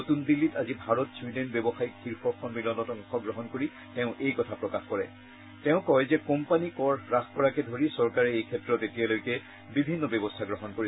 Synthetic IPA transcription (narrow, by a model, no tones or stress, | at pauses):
notundilːitazibʱaɹɔtsudenbebɔxajkxʰiɹxʰɔɹkʰɔnbilɔntɔtɔŋxɔɡɹɔɦɔnkoɹi | tɛʊ̃ʔejkɔtʰapɹɔkaxkɔɹɛ̰ | tɛ̃ʊ̃kɔjzɛkɔmpanikɔɹɹaxkɔɹakɛdʱoɹisɔɹkaɹɛejkʰɛtɹɔtetijalojkɛ | bibʱinːɔbɔbɔstʰaɡɹɔɦɔnkoɹi